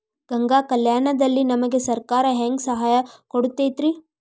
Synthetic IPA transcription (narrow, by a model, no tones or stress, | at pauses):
ɡ̥ɐŋɡaːkɐljaːɳɐd̪ɐlːinɐmɐɡe̞sɐɾkaːɾɐɦeŋɡsɐɦaːjɐkoɽut̪ːet̪ɾi